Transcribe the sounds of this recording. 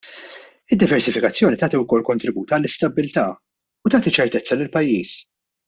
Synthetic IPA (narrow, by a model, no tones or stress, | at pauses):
ɪd̪ːɪvɛɾsɪfɪkɐt͡sːjɔːnit̪ɐːt̪iwkɔlːkɔnt̪ɾɪbuːt̪ɐlːɪst̪ɐbːɪlt̪ɐː | ʊt̪ɐːt̪it͡ʃːɛɾt̪ɛt͡sːɐlɪlpɐjːiːs